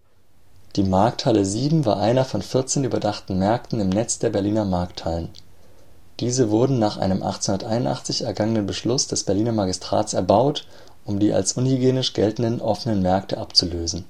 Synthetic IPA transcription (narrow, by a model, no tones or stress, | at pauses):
d̥iːmaɐk̚tʰhaləziːbm̩vaːɐʔaɪnɐfɔnfɪɐt͡seːnyːbɐdaχtn̩mɛɐktn̩ɪmnɛt͡sd̥eːɐbɛɐliːnɐmaɐk̚thalən | d̥iːzəvʊɐdn̩naːχʔa̰ɪnəmʔa̰χt͡senhʊndɐtʔaɪnʊntʔa̰χt͡sɪçɛɐɡaŋənənbəʃlʊsd̥ɛsb̥ɛɐliːnɐmaɡɪstʁ̥a̰ːtsɛɐbaʊt | ʔʊmdiːa̰lsʔʊnhyɡeːnɪʃɡ̥ɛltn̩dənʔɔfənənmɛɐk̚tʰəʔapt͡suløːzn̩